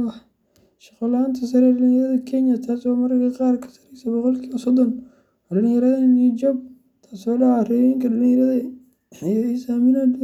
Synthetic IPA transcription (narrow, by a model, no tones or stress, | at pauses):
ɑħ | ʃɐqɔlaːnt̪ʰɐs̬ɐɾɛɖɐlɪ̃ŋjɐɾɐðɐkʰɛnjɐt̪ʰaːswaːmɐrkʰɐqɑːrkʰɐ̥sɐ̥ɾɛjsɐbɔqɔlkʰiːβɐsɔd̪ɔn | ɔɖɐlɪŋjɐɾɐðɐnud͡ʒɔb̚ | t̪ʰaːsɔːɖɑʕarɛβiŋkʰɐɗɐlɪ̃ŋjɐɾɐðɐ | jisaːmɪnad̪